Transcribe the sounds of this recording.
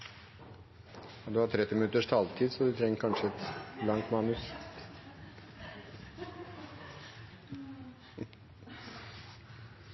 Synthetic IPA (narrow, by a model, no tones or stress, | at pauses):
ɑd̪ʉhɑːʈ̪ʰɾɛt̪ːɪmɪnʉt̪əʂt̪ʰɑlt̪ʰiːd̪sɔd̪ʉt̪ʰɾɛŋːəɾkʰɑnʂəɛt̪lɑŋt̪mɑːnʉs